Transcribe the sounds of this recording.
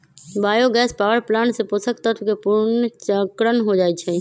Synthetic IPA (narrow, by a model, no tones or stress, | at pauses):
baːjoɡɛːspaʋəɾplaɳsẽposəkt̪ət̪ʰkepuɾnt͡ʃəkɾənɦod͡ʒaɛt͡ʃʰɛ